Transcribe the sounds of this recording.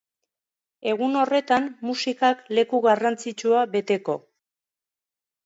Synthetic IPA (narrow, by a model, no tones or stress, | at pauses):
e̞ɣ̞uno̞re̞t̪ammusikakle̞kuɣarant͡sit͡ʃuaβe̞t̪e̞ko̞